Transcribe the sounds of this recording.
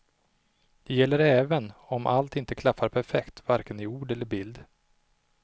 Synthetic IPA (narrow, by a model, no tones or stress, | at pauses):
d̪̥ɛjɛlːəɾɛːvənɔmʔa̰lt̪ɪnt̪əkʰlafːaɾpʰæɾfɛkt̪vaɾkənɪuːɖɛlːəɾbɪld̪